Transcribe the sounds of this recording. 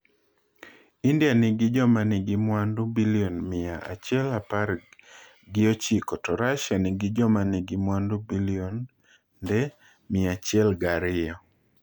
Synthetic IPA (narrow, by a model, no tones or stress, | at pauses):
indijanɪɡɪd͡ʒɔmanɪɡɪmwandubiliɔnmɪa̰ʔa̰t͡ʃɛlapar | ɡɪot͡ʃikɔtɔɾaʃanɪɡɪd͡ʒɔmanɪɡɪmwandubiliɔn | dɛ | mɪat͡ʃjɛlɡaɾɪjɔ